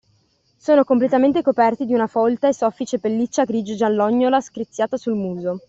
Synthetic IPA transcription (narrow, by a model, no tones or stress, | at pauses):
soːnokomplet̪ament̪ekopɛrt̪id̪iunafɔlt̪aesɔfːit͡ʃepelːit͡ʃːaɡɾid͡ʒd͡ʒalːɔɲːolaskɾit̪sːjaːt̪asulmuːzo